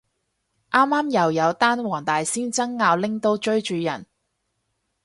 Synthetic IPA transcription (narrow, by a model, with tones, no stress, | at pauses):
ʔaː˥mːaː˥mjɐ˨˩wjɐ˨˧wt̪aː˥nwɔː˨˩ŋt̪aː˨jsiː˥nt͡sɐ˥ŋːaː˧wlɪ˥ŋt̪o˥wt͡ʃɵ˥ɥt͡ʃyː˨˧jɐ̰˨˩n